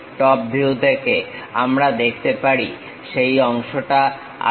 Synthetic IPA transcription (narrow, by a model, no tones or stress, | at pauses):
ʈɔp̚bʱiud̪ʱekeamɾad̪ekʰt̪epaɾi | ʃejɔŋʃoʈa̰